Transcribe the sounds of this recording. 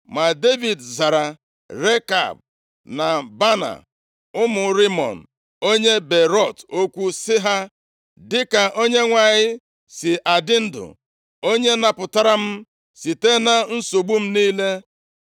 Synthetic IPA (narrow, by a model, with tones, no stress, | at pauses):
ma˨de˦vi˨dza˨ɾa˨ | ɾe˦ka̰˨b̚ | na˨ba˦na̰˨ | ʊ˦mʊ˨ɾi˦mɔ̰˨n̩˨ | o˦ɲe˦be˨ɾɔ˦˨to˦kʷu˦sɪ˦ɦa˦ | dɪ˦ka˨ʔo˦ɲe˦ŋʷa˨ɲɪ˦ | sɪ˨ʔa˨dɪ˦n̩˦dʊ̰˨ | o˦ɲe˦na˨pʊ˨ta˦ɾa˦m̩˦ | si˨te˦na˦n̩˦so˨ɡ͡bu˦m̩˦niː˦le˦